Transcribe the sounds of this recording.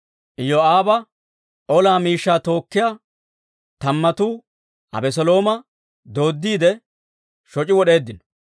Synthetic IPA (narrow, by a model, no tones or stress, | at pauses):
ʔɪjɔaːbɐ | ʔɔlaːmiːʃːaːt̪o̞ːkːɪjaː | t̪ɐmːɐt̪uː | ɐ̰bɛs̬ɔlo̞ːmɐ | d̪o̞ːd̪ːiːd̪ɛ | ʃɔt͡ʃʼɪwɔɗe̞ːd̪ːɪnɔ̥